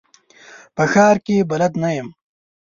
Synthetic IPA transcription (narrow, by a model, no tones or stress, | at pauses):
pɐxaːɾkebɐlɐd̪najɐm